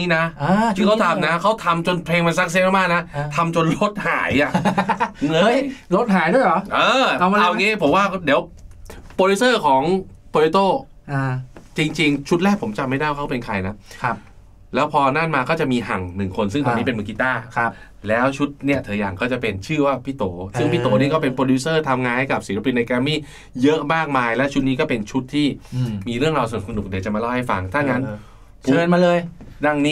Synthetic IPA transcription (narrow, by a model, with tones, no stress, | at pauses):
i˦˥na˦˥˧ɯ˥˩kʰa˦˥˩t̪ʰa˧mna˦˥kʰa˦˥wt̪ʰa˧mt͡ɕo˧npʰeː˧ŋma˧nsa˦˥k̚seː˦˥ma˥˩maː˥˩na˦˥t̪ʰa˧mt͡ɕo˧nlo˦˥t̪̚haː˩˦ja˨˩˧ | lo˦˥t̪̚ɦaː˩˦jdu˥˩jɔ˨˦ʔɤː˧a˧wŋiː˦˥pʰo˩˦mwaː˥˩di˩˦wpoː˧li˦˥sɤː˥˩kʰɔː˩˦ŋpʰoː˧li˦˥t̪oː˥˩˧ | t͡ɕi˧ŋt͡ɕi˧ŋt͡ɕʰu˦˥t̪̚lɛː˥˩pʰo˩˦mt͡ɕa˧ma˥˩jda˥˩jkʰpe˧nkʰa˧jna˦˥˧ | lɛː˦˥wpʰɔː˧naː˥˩nmaː˧kɔː˥˩t͡ɕa˨˩miː˧ɦa˨˩ŋnɯ˨˩ŋkʰo˧nsɯ˥˩ŋt̪ɔ˧niː˦˥pe˧nmɯː˧ki˧˥t̪aː˥˩˦ | lɛː˦˥wt͡ɕʰu˦˥t̪̚ni˥˩ɐt̪ʰɤː˩˦jaː˨˩ŋkɔː˥˩t͡ɕa˨˩pe˧nt͡ɕʰɯː˥˩waː˥˩pʰiː˥˩t̪oː˩˦sɯ˥˩ŋpʰiː˥˩t̪oː˩˦ni˥˩kɔ˥˩pe˧npɾoː˧duː˦˥sɤː˥˩t̪ʰa˧mŋaː˧nha˥˩ka˨˩p̚siː˨˦ɾa˦˧˥pi˧nːa˧jkɛː˧miː˥˩ | jɤ˦˥ʔmaː˥˩k̚maː˧jlɛ˦˥wt͡ɕʰu˦˥t̪̚niː˦k̬ɔː˥˩pe˧nt͡ɕʰu˦˥t̪ʰːiː˥˩miː˧ɾɯ˥˩əŋɾaː˧sa˧nu˨˩sa˧nu˨˩k̚di˨˩˦t͡ɕa˨˩maː˧lɔː˥˩ha˥˩fa˧ŋt̪ʰaː˥˩ŋa˦˥n | pʰu˨˦ɤː˧nmaː˧lɤː˧jda˧˩ŋniː˦˥